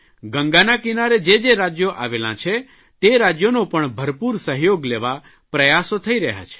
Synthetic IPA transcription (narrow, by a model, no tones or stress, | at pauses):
ɡə̃ŋɡanakinaɾed͡ʒed͡ʒeɾad͡ʒjoʔa̰ʋelã̰t͡ʃʰe | t̪eɾad͡ʒjonopəɳbʱəɾpuɾsəɦjoɡleʋa | pɾəjasot̪ʰəiɾəɦja̰t͡ʃʰe̥